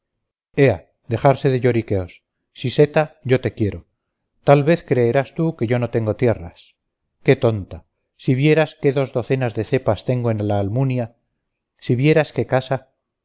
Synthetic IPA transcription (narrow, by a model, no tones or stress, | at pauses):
e̞a | d̪e̞χaɾse̞ðeʝo̞ɾike̞o̞sː | ise̞t̪aʝo̞t̪e̞kje̞ɾo̞ | t̪alβeθkɾe̞ːɾast̪uke̞ʝo̞no̞t̪e̞ŋɡo̞t̪je̞ras | ke̞t̪o̞nt̪a | siβje̞ɾaske̞ðo̞zðo̞θe̞nazðe̞θe̞past̪e̞ŋɡoenlaːlmunja | siβje̞ɾaske̞kasa